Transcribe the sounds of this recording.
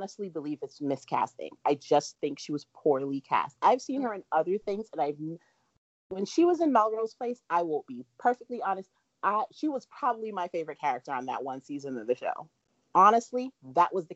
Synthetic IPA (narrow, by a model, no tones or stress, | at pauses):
nəstˡlibəlivɨtsmɪskʰæ̰stɪ̰̃ŋʔaɪd͡ʒʌsθɪ̃ŋkʃiwʌz̥pʰuɹlˠikʰæ̰st̚aɪv̥sĩnə˞ɨ̃nʌðə˞θɪ̃ŋzɨ̃naɪv | wɨ̃nʃiwʌzɨ̃nmɛlˠɹoʊz̥pʰl̥eɪsaɪwõʊ̃nb̥ipʰɜ˞fɪk̚tˡliɑnɨst̚ | ʔaɪʃiwʌz̥pʰɹ̥ɑbəblimaɪfeɪvə˞ɨt̚kʰɛɹɨk̚tə˞ə̃nðə̰ʔ̚wʌ̃nsizɨ̃nʌvðɨʃo̰ʊ | ɑñɨstˡliðəʔwʔʌzðɨ